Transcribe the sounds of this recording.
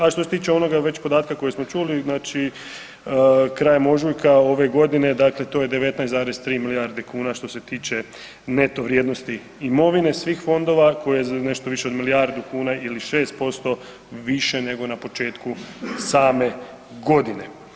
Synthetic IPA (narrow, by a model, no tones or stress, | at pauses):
aʃt̪ose̞t̪iːt͡ʃeo̞no̞ɡaʋe̞t͡ɕpo̞d̪aːt̪kako̞jesmo̞t͡ʃuliznaːt͡ʃi | kɾaːjemo̞ʒujkao̞ʋe̞ɡo̞d̪ine̞d̪akle̞t̪oje̞d̪e̞ʋe̞t̪najszaːɾest̪ɾiːmiliaɾd̪ekuːnaʃt̪o̞se̞t̪iːt͡ʃe̞ | ne̞t̪oʋɾjeːd̪nost̪iː | mo̞ʋine̞sʋiːxfo̞nd̪o̞ʋako̞jijezane̞ʃt̪oʋiʃeod̪milijaɾd̪ukuːnaʔiliʃe̞ːst̪̚po̞st̪o̞ | ʋiʃe̞ne̞ɡo̞napo̞t͡ʃe̞ːt̪kusaːme̞ | ɡo̞d̪ine̞